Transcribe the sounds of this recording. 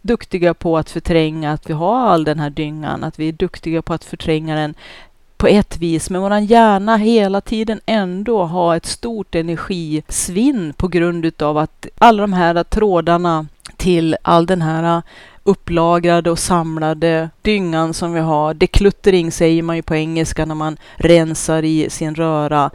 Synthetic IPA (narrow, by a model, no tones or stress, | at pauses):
d̪ɵkt̪ɪɡapʰɔat̪fœʈʰɾɛŋːaːt̪vɪɦaɾalːd̪ɛnɦæːɖʏŋːa̰na̰t̪vɪæɖɵkt̪ɪɡapʰɔat̪fœʈʰɾɛŋːad̪ɛn | pʰɔɛt̪ːviːsmɛnvoːɾanjæːɳaɦeːlat̪ʰiːd̪ənɛnd̪oɦaɛt̪st̪uːʈɛnæɾɧiːsvɪnːpʰɔɡɾɵnd̪ʉ̟ːt̪avat̪ʔalːad̪ɔmɦæːɾat̪ʰɾoːd̪aɳat̪ʰɪlʔa̰lːd̪ɛnɦæːɾaɵpːlɑːɡɾad̪əɔsamlad̪əd̪̥ʏŋːansɔmvɪɦaɾɖɛkʰlɵt̪ːəɾɪŋːsɛjːəɾmanjɵpʰɔɛŋːəlskanæɾman | ɾɛnsaɾɪsɪnɾœːɾa